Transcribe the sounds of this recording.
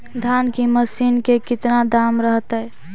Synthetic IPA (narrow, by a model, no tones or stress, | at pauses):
d̪ʱankiməsinkekit̪nad̪amɾəɦt̪ɛj